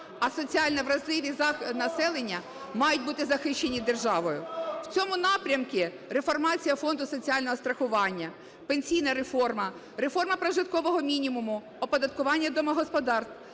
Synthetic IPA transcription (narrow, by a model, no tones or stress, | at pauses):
ɐsɔt͡sʲiɑlʲnɐʋɾɐzlˠɪʋʲiznɐsɛlˠenʲːɐ | mɑjʊtʲbut̪ɪzɐxɪʃt͡ʃːe̞nʲid̪erʒɑʋɔjʊwt͡sʲɔmʊnɑpɾʲɐmkɪ | ɾefɔrmɑt͡sʲijɐfɔnd̪ʊsɔt͡sʲiɑlʲnɔɦɔst̪ɾɐxʊʋɑnʲːɐ | penʲsʲijnɐɾefɔrmɐ | ɾe̞fɔrmɐpɾɐʒɪt̪̚kɔʋɔɦɔmʲinʲimʊmʊ | ɔpɔd̪ɐt̪̚kʊʋɑnʲːɐd̪ɔmɐɦɔspɔd̪ɑrst̪